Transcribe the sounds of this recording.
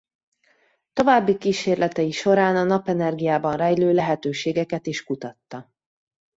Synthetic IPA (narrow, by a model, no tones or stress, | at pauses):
t̪o̞vaːbːikiːʃeːrlɛt̪ɛjiʃo̞ɾaːnɒnɒpɛnɛrɡijaːbɒnrɛjløːlɛɦɛt̪øːʃeːɡɛkɛt̪eːʃkut̪ɒt̪ːɒ